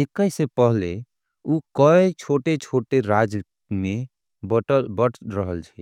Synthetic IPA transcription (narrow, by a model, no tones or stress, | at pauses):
ekəjsepəɦle | ukəet͡ʃʰoʈet͡ʃʰoʈeɾad͡ʒ | me | bbəʈʰɾəɦəlt͡ʃʰɛ